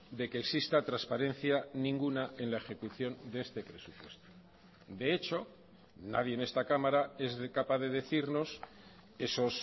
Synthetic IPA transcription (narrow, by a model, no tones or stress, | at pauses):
d̪e̞ke̞ːksist̪at̪ɾaspaɾe̞n̟θjanĩŋɡunae̞nlae̞xe̞kuθjo̞nd̪ee̞st̪e̞pɾe̞supwe̞st̪o̥ | d̪e̞et͡ʃo̞ | na̰ðjene̞st̪akamaɾae̞zkapaðe̞ðe̞θiɾno̞s | e̞so̞s